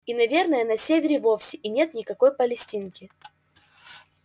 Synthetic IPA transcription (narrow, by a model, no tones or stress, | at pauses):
inɐvʲe̞rnəjənɐsʲevʲɪɾʲɪvo̞fsʲɪʔinʲe̞t̪nʲɪkɐko̞jpəlʲɪsʲtʲinkʲɪ